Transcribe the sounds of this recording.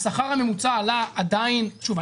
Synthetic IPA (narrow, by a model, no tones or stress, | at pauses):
saχaʁhame̞mut͡saːlaad̪ainʃuva